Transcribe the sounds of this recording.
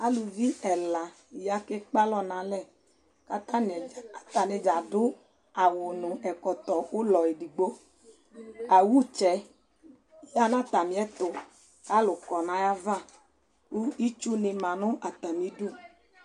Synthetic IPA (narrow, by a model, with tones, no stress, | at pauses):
a˦lu˨vi˦ɛ˨la˨ | ja˦ke˦k͡pa˦lɔ˦nã˨˦lɛ˦˨ | ka˦ta˦n˨a˨t̪a˨ne˨d͡ʒa˨dʊ˦ | a˨wʊ˨nʊ̃˨ɛ˨kɔ˨t̪ɔ˨wʊ˦lɔ˨ji˨di˨ɡ͡bo˦ | a˨wu˦t͡ʃɛ˨ | ja˦nã˦t̪a˨mĩ˨˦ɛ˦t̪ʊ˨ | ka˦lʊ˨kɔ˨nã˦ja˦vã˦˨ | u˦i˦t͡ʃu˦nɪ˨mã˨nʊ̃˦a˨t̪a˨mĩ˨˦du˦